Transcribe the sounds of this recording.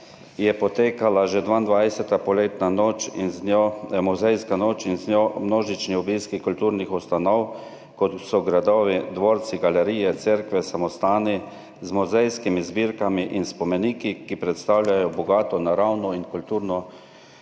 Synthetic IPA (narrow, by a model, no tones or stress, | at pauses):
jɛpɔt̪eːkalaʒɛd̪ʋand̪ʋajsɛt̪apɔleːt̪nanoːt͡ʃinznjɔmɔzɛjskanoːt͡ʃinznjɔmnoːʒit͡ʃniɔbiskikult̪uːɾnixust̪anɔw | kɔt̪sɔɡɾad̪ɔːʋid̪ʋoːɾt̪siɡalɛɾiːjɛt̪sɛɾkʋɛsamɔst̪aːni | zmɔzɛjskimizbiːɾkamiʔinspɔmɛniːkikipɾɛt̪st̪awlʲjajɔbɔɡaːt̪ɔnaɾawnɔinkult̪uːɾnɔ